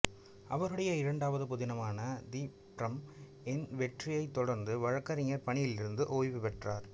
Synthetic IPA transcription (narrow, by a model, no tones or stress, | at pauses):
ɐʋɐɾɯɽɐjɐɪɾɐɳɖaːʋɐðɯpʊðɪnɐmaːnɐd̪iːpɾɐm | ɛnʋɛʈrɪjɐɪt̪ːɔɽɐɾnd̪ɯʋɐɻɐkːɐɾɪŋɐɾpɐɳɪjɪlɪɾɯnd̪ɯʔoːjʋɪpɛʈraːɾ